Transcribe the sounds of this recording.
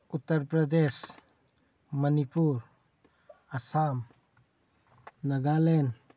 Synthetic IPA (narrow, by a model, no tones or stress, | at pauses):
ʊt̪ːəɾpɾəd̪eːʃ | mənipuːɾ | ɐsaːm | nɐɡaːleːn